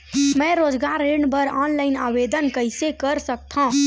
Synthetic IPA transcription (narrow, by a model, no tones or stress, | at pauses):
mə̃ɾod͡ʒɡaɾːeɳbəɾɔnlaɪnabed̪ənkəjsekəɾsəkt̪ʰə̃